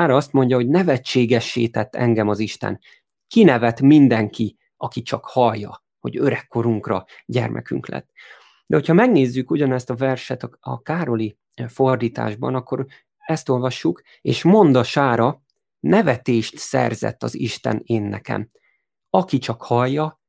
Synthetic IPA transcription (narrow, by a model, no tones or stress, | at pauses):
aːɾɒɒst̪mo̞ɲɟɒɦo̞ɟnɛvɛt͡ʃːeːɡɛʃːeːt̪ɛt̪ːɛ̰ŋɡɛmɒziʃt̪ɛ̰n | kinɛvɛt̪mind̪ɛŋki | ɒkit͡ʃɒkhɒjːɒ | ho̞̰ɟøɾɛkːo̞ɾuŋkrɒ | ɟɛ̰rmʔɛ̰ky̰ŋklɛ̰t̪ː | d̪ɛho̞cʰhɒmɛɡneːzːykuɟɒnɛst̪ɒvɛrʃɛt̪ɒɒ̰kaːɾo̞li | fo̞rd̪iːt̪a̰ːʒbɒ̰nɒkːo̞ɾ | ɛst̪o̞lvɒʃːuk | ḛːʃmo̞nd̪ɒʃaːɾɒ | nɛvɛt̪eːʃt̪sɛ̰rzɛ̰t̪ːɒ̰ziʃt̪ɛ̰neːnːɛkɛ̰m | ɒkit͡ʃɒkhɒjːɒ